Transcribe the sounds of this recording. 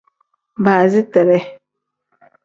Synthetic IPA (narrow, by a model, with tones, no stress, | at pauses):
baː˨zi˦tɛ˨ɾɛ˦